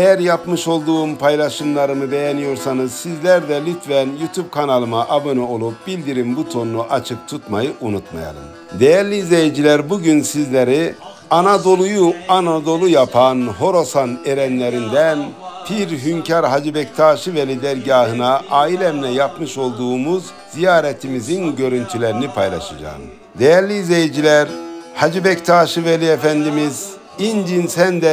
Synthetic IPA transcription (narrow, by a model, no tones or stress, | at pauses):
ejæɾjapmɯʃo̞lˠd̪uːmpʰajlˠaʃɯmlˠaɾɯmɯbejɛnijo̞ɾsanɯz̥sizlʲæɾd̪ɛlʲyt̪ʰvænjut̪ʰub̚kʰanalˠɯmaʔabɯnɯo̞lˠup̚bilʲd̪iɾimbut̪ʰo̞nːuʔat͡ʃʰɯk̚t̪ʰut̪majɯʔunut̪ma̰ja̰lˠɯ̰m | d̪ejæɾlʲiːzlʲejɛd͡ʒilʲæɾbuɟynsizlʲeɾi | anad̪o̞lˠujuanad̪o̞lˠujapʰanɦo̞ɾo̞saneɾɛnlʲeɾind̪ænpʰiɾɦymcʰaɾɦad͡ʒibɛct̪ʰaːʃɯvɛlʲid̪æɾɟaːɦɯnaʔaːilʲɛmnɛjapmɯʃo̞lˠd̪uːmuz | z̥ijaːɾɛt̪ʰimizinɟø̞ɾynt̪ʰylʲeɾinipʰajlˠa̰ʃad͡ʒa̰ːm | d̪ejæɾlʲiːzejid͡ʒilʲæɾhad͡ʒibɛct̪ʰaːʃɯvelʲiefænd̪imiz | ind͡ʒ̪insænd̪ɛ